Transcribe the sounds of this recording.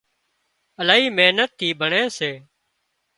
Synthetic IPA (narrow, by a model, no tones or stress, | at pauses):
əlaːɦiːmeːnət̪ʰːiːbʱəɳẽːseː